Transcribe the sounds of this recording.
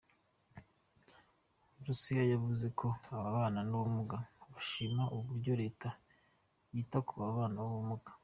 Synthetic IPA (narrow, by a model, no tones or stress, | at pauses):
ɾusijajaβuze̞kʰo̞aβaβaːnanuβumuɡaβaʃimaʔuβuɾɟo̞ɾe̞ːta | jiːtakuβaβaːnaβaβumuɡḁ